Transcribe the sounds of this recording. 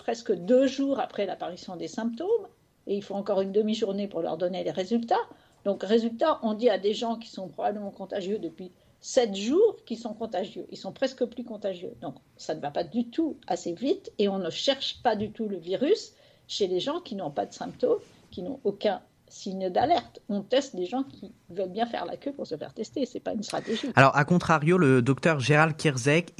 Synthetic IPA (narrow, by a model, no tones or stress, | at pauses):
pχɛskəd̪øʒuʁapχɛla̰paʁisjɔ̃d̪esɛ̃pt̪om | eilfɔ̃ɑ̃kɔʁynd̪əmiʒuʁnepuʁlœ̰ʁd̪ɔneleʁezylt̪a | d̪ɔ̃kʁezylt̪aʔɔ̃d̪iad̪eʒɑ̃k̬ʲi̥sɔ̃pχɔbabləmɑ̃kɔ̃t̪aʒjød̪əpɥi | sɛt̪ʒuːʁkʲilsɔ̃kɔ̃t̪aʒjø̰ʔilsɔ̃pχɛskəplykɔ̃t̪aʒjø̰d̪ɔ̃k | sanəvapad̪yt̪ʰuasevit̪eɔ̃nəʃɛʁʃpad̪yt̪uləviʁys | ʃeleʒɑ̃kʲinɔ̃pad̪əsɛ̃pt̪om | kʲinɔ̰̃okʲɛ̃ | siɲd̪alɛʁt̪ɔ̃t̪ɛst̪d̪eʒɑ̃kʲʰivœlbjɛ̃fɛ̰ʁla̰kʲøpuʁsəfɛ̰ʁt̪ɛst̪esɛpa̰ynst̪χa̰t̪eʒialɔʁakɔ̃t̪χaʁjoləd̪ɔkt̪œʁʒeʁalkʲiʁzɛk